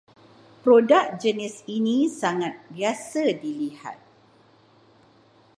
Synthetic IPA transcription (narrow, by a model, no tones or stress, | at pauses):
pɾodak̚d͡ʒənisinisaŋat̪̚biasadiliha̰t̪̚